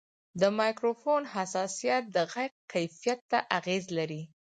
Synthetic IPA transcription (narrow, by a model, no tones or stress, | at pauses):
d̪əmɑjkɾofonɦasɑsijat̪̚d̪əɣajq̚kajfijat̪ːaʔaɣezlaɾi